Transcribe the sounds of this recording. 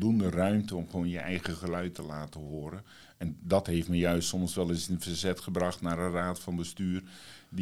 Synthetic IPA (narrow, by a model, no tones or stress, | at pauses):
dundərœɥmtəɔmχʋoːnjəʔɛjɣəχəlœɥtəlaːtəɦoːɾən | ɛndɑtɦejftməjœɥstsɔmsʋɛlˠɪsənvərzɛtχəbrɑχtnaːɾəraːtfɑnbəstyːrdi